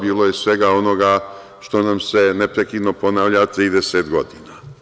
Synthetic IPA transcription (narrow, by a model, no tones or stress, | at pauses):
biːlo̞jesʋe̞ɡao̞no̞ɡa | ʃt̪o̞namse̞nepɾekiːd̪no̞po̞naːʋʎat̪ɾiːd̪eset̪ɡo̞d̪iːna